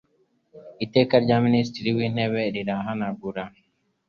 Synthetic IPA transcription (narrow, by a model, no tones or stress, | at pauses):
it̪ekaɾɟaministiɾiwineβeɾiɾaːɦanaɡuɾa